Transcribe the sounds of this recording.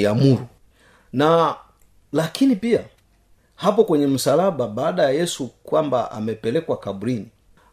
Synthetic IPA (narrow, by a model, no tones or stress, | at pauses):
jamuɾu | na | lakʰinipia | hapɔkwɛɲɛm̩salaɓaɓaːɗajajɛsukwambaʔa̰mɛpɛlɛkwakaɓuɾini